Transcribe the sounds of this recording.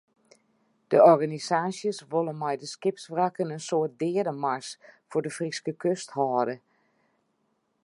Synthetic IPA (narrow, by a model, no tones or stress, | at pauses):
d̥əʔɔrɣanisaːsjəsʋolˠənmɛjdəskɪpsfrakənənsoːt̚dɪːədəmarsfodəfriskəkʰøsthɔːdə